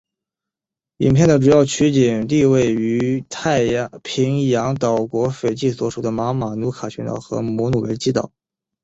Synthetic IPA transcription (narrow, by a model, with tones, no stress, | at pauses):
ḭ˨˩npʰjɛ˥˩nd̪ə˩ʈ͡ʂu˨˩jɑ˥˩ʊt͡ɕʰy˧˥t͡ɕi˨˩nt̪i˥˧we˥˩ɪy˧˥t̪ʰa˥˩ɪpʰi˧˥ŋjɑ˧˥ŋt̪ɑ˨˩ʊkwɔ˧˥fe˨˩ɪt͡ɕi˥˩swɔ˨˧˩ʂu˨˩d̪ə˦ma˧˥ma˨˩nu˧˥kʰa˨˩t͡ɕʰɛ˧˥nt̪ɑ̰˨˩ʊxɤ̰˧˥mwɔ˧˥nu˨˩we˧˥ɪt͡ɕi˥t̪ɑ̰˨˩˦ʊ